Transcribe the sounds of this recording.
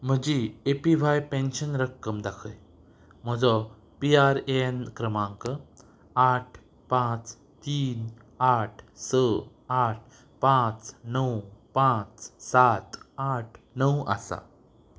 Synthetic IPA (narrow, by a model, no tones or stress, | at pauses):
m̤əd͡ʑiepiʋajpẽnɕənɾəkːəmd̪akʰəj | m̤əd͡zɔ | piaɾenkɾəmãŋkə | aʈʰ | pãt͡s | t̪iːn | aʈʰsə | aʈ̚ʰ | pãt͡snəwpãt͡ssat̪aʈʰnəwa̰sa̰